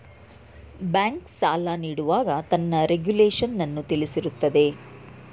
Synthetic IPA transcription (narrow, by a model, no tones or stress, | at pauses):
baːŋksaːlaniːɽuʋaːɡɐt̪ɐnːɐɾeɡjuleːʂɐnːɐnːut̪ilisiɾut̪ːɐd̪e̞